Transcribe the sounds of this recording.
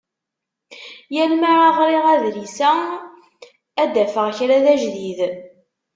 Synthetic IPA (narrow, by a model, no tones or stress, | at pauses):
jælmaɾaʁɾiʁæðlisæ | æd̪æfəʁçɾæðæʒðið